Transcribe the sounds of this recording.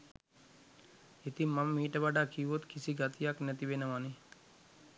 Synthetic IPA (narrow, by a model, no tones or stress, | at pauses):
it̪imɐmːiːʈəbaɖaːkʰiːʋot̪kʰisiɡat̪ijaːknɛt̪ibenəmani